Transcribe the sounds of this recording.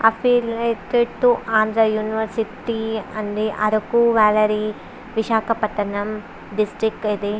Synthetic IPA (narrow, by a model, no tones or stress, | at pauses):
ɐfʰiːlet̪it̪ːuʔaːnd̪ɾɐjuːniʋɐɾsiʈiɐnɾiʔɐɾɐkːuʋaːlɐɾi | ʋiʃaːkɐpɐʈ̪ːɐnɐm | ɖisʈɾikːid̪e